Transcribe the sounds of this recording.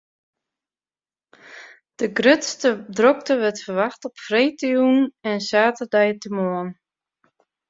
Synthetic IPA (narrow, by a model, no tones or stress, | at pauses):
d̥əɡrøtstədrɔk̚təʋɛtfərʋaxtɔpfrejtəjunɛnsaːtədɛjtəmoən